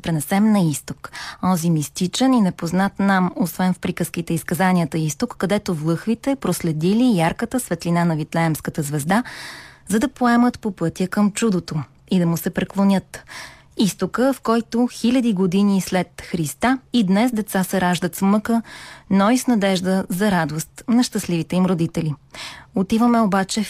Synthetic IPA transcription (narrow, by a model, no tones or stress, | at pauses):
pɾɛnɛsɛmnɐist̪okɔzimist̪it͡ʃɛninɛpoznat̪namosvɛnfpɾikəsk̟it̪ɛiskɐzaniət̪əist̪okːɐd̪ɛt̪ovlˠɤxvit̪ɛpɾoslɛd̪ilijaɾkət̪əsvɛt̪linanɐvit̪lɛɛmskət̪əzvɛzd̪azɐd̪ɐpoɛmət̪popɤt̪ʲjəkəmt͡ʃud̪ot̪o | id̪ɐmʊsɛpɾɛklˠonʲɤt̪ | ist̪okəfkɔjt̪oxilʲəd̪iɡod̪inislɛt̪xɾist̪aid̪nɛsd̪ɛt̪sasɛɾaʒd̪ət̪smɤkənɔisnɐd̪ɛʒd̪əzɐɾad̪ost̪nɐʃt̪ɐslivit̪ɛimɾod̪it̪ɛliot̪ivəmɛobat͡ʃɛ